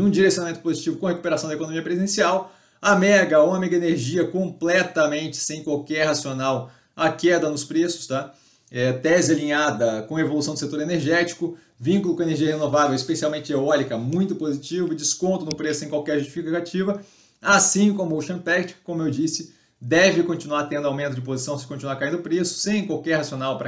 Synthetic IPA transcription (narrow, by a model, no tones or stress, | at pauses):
ũd͡ʒiɾesjonamẽt̪ʊpozit͡ʃivʊkõhekupeɾasɐ̃d̪ekonõmiɐpɾezẽsiaw | ɐmɛɾɡɐũɐmɛɡɐeneɾʒiɐkõmplɛt̪ɐmẽnt͡ʃɪ̥sẽj̃kwawkɛɾhasionaw | ɐkɛd̪ɐnʊspɾesʊ̥st̪a | ɛt̪ɛzɪalĩɲad̪ɐkõɐevolusɐ̃w̃d̪ʊset̪oɾeneɾʒɛt͡ʃi̥kʊ | vĩŋkʊlʊkõeneɾʒiɐhenovavewispesialwmẽnt͡ʃɪeɔɾikɐmũj̃t̪ʊpozit͡ʃivʊd͡ʒɪskõnt̪ʊnʊpɾesʊsẽj̃kwawkɛɾʒust͡ʃifikat͡ʃivɐ | asĩkõmʊoʃɐ̃t̪ɛkt͡ʃɪ̥kːõmʊewd͡ʒisɪ | d̪ɛvɪkõnt͡ʃinuaɾt̪ẽnd̪ʊawmẽnt̪ʊd͡ʒɪp̬ozisɐ̃w̃sɪkõt͡ʃinuaɾkaĩnd̪ʊpɾesʊ̥sẽj̃kwawkɛɾhasionawpɾɐ